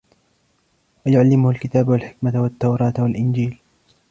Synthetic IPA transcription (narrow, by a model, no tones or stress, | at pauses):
wajʊʕalːɪmʊhʊlkɪt̪aːbwalħɪkmawat̪ːawɾˤɑːt̪walʔɪnd͡ʒiːl